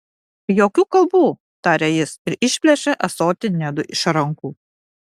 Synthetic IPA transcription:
joːkʲuːkɐlˠˑbuː | t̪ɑːɾʲeːjɪsɪɾɪʃʲpʲlʲɛʃʲɛʔɐsoːt̪ʲɪnʲɛd̪ʊʔɪʃɾɐŋkuː

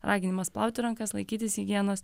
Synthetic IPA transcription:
ɾʔɑːɡʲɪnʲɪmɐsplˠɑˑʊt̪ʲɪɾɐŋkɐslˠɐɪkʲiːt̪ʲɪsɣʲɪɡʲiɛnoːs

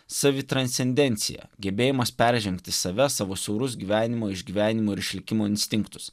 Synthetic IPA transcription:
sɑʋʲɪt̪ɾɐnsʲsʲɛnʲd̪ʲɛnʲt̪sʲɪ̰jɛ̰ɡʲɛbʲeːjɛmɐspʲɛɾʲʒʲɛŋʲkt̪ʲɪsɐʋʲɛsɑːʋoːsʲɛʊɾʊs̬ɡʲiːʋʲæːnʲɪmoːɪʒʲɡʲiːʋʲæːnʲɪmoːɪɾɪʃʲlʲɪkʲɪmoːɪnʲsʲt̪ʲɪŋkt̪ʊ̥s

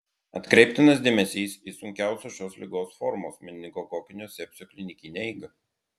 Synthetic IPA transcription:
ɐt̪kɾʲɛɪp̚ʲt̪ʲɪnɐs̬d̪ʲeːmʲɛsʲiːsiːsʊŋʲkʲæˑʊsʲoːʃʲoːslʲɪɡoːsfɔɾmoːsmʲɪnʲnʲɪɡokoːkʲɪnʲoːsʲɛpʲsʲoːkʲlʲɪnʲɪkʲɪnʲeiːɡɐ

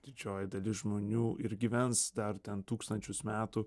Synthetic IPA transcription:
d̪̥ʲɪd͡ʒʲoːjɪd̪ɐlʲɪsʒmoːnʲuːʔɪɾɡʲiʋʲɛnsd̪ɐɾt̪ʲɛnt̪uːkst̪ɐnʲt͡ʃʲʊsmʲæːt̪ʊ

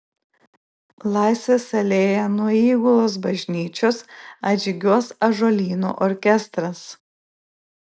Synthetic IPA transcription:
lˠɑˑɪsʲʋʲesɐlʲeːjɛnuɔiːɡʊlˠoːs̬bɐʒʲnʲiːt͡ʃʲoːsɐd͡ʒʲɪɡʲuɔsɐʒolʲiːnṵːʔɔɾʲkʲɛst̪ɾɐs

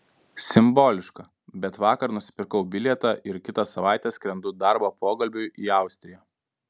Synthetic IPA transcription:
sʲɪmboːlʲɪʃkɐ | bʲɛt̪ʋɑːkɐɾnʊsʲɪ̥pʲɪɾkɐʊbʲɪlʲɛt̪ɑʔɪɾkʲɪt̪ɑsɐʋɑˑɪt̪ʲɛːsʲkʲɾʲɛnd̪ʊd̪ɑɾboːpoːɡɐlʲbʲʊjiːɑˑʊsʲt̪ʲɾʲɪjoː

